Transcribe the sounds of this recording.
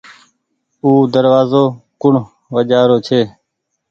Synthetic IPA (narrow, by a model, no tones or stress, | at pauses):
uːd̪əɾʋaːzoːkʊɳ̤ | ʋəʄaːɾoːt͡ʃʰeː